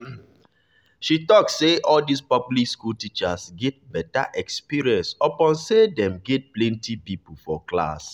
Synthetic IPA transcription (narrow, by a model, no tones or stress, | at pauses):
ʃitɔksːeʔɔldispɔplikskultit͡ʃasɡɛt̚bɛta̰ʔɛkspiɹiɛ̃nsɔpɔ̃nsedɛ̃mɡɛt̚plɛ̃ntipip̩fɔkla̰s